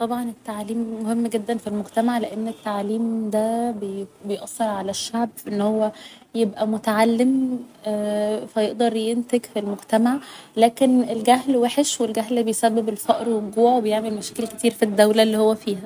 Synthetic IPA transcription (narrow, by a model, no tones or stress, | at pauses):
t̪ˤɑbʕɑnet̪ːaʕaliːmːohemːɡed̪ːænfilmoɡt̪æmaʕleʔenːet̪ːaʕliːmd̪æbejbejʔɑsˤːeɾˤʕalæʃːaʕbfʔenːhowːæ | jebʔæmot̪aʕalːem | fæjeʔd̪ɑɾˤjent̪eɡfilmoɡt̪æmaʕlæːkenelɡæɦlweħeʃwelɡæɦlbejsæbːebelfæʔɾweɡuːʕwebejeʕmelmæʃæːkelæket̪iːɾfid̪ːæwlælːiːhowːæfiːhæ